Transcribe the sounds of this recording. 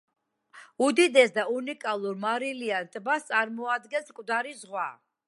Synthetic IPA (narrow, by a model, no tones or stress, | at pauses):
ud̪id̪ɛsd̪aunikʼalˠuɾmaɾiliant̪ʼbast̪sʼaɾmɔad̪ɡɛnskʼvd̪aɾizʁwa